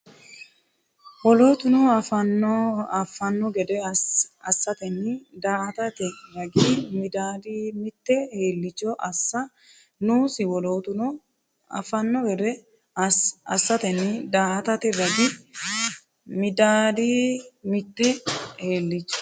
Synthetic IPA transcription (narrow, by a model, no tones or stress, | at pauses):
wɔloːt̪ʊnɔɐfɐnːɔɐfːɐnːɔɡɛd̪ɛɐsːɐt̪ɛnːɪd̪aːʔɐt̪ɐt̪ɛɾɐɡimɪd̪aːd̪iːmɪt̪ːɛhe̞ːlːɪt͡ʃːɔʔɐsːɐ | nuːsɪwɔloːt̪ʊ | ɐ̰fɐnːɔɡɛd̪ɛ | ɐsːɐt̪ɛnɪd̪aːʔɐt̪ɐt̪ɪɾɐɡɪ | mɪd̪aːd̪iːmɪt̪ːɛheːlːɪt͡ʃːɔ̥